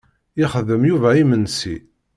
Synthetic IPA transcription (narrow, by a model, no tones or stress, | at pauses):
ɪχəðəmjuvæimənsḭ